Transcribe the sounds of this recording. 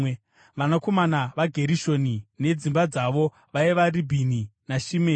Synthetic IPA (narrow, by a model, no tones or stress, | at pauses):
ʋanako̞manaʋaɡʱe̞ɾiʃo̞nine̞d͡zimbad͡zaʋo̞ | ʋaiʋaribʱininaʃime